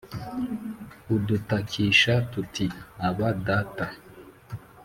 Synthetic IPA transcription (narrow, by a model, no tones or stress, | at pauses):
udutakʰiʃatutiaβadata